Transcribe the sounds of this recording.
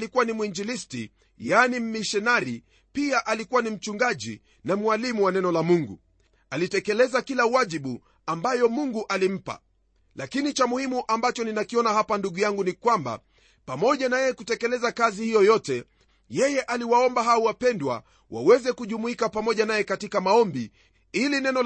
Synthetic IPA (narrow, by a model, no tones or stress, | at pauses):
likuwanimuind͡ʒilistḭ | janim̩miʃɛnaɾi | piaʔalikuwanim̩t͡ʃuŋɡaʄḭ | namwalimuwanɛnɔlamuŋɡṵ | alitɛkɛlɛzakilawaʄiɓu | ambajɔmuŋɡuʔalim̩pa̰ | lakinit͡ʃamuhimuʔambat͡ʃɔninakiɔnahapanduɠujaŋɡunikwamba̰ | pamɔʄanajɛkutɛkɛlɛzakazihijɔjɔtɛ | jɛjɛʔaliwaɔmbaɦauwapɛndwa̰ | wa̰wɛzɛkuʄumuikapamɔʄanajɛkatikamaɔmbi | ilinɛnɔ